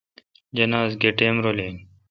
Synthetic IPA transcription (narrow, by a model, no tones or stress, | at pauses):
d͡ʑɐnaːzɡeʈeːmɾoːleŋ